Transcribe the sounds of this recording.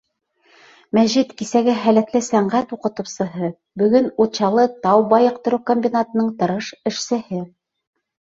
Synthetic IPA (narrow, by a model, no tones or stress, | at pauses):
mæʑit̪kisæɡɘɦælæt̪lɘsæɴɢæt̪uqɤ̆t̪ɤ̆wsɤ̆ɦɤ | bɵ̆ɡɵnut̪ɕɑlˠɤt̪ɑwbɑjɤ̆q̚t̪ɤ̆ɾɤwkomʲbʲinat̪ɤ̆nɤɴt̪ɤ̆ɾɤʃɘ̆ʃsɘ̆hɘ